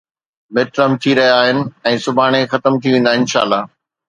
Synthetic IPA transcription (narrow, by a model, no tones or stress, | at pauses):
mɪʈɾəmt̪ʰiɾɐɦijaːɦɪnɪ̆ɛ̃ːsʊbʱaːɽ̃exɐt̪əmt̪ʰiʋẽːn̆d̪aɪ̃nʃa̰ːlːaː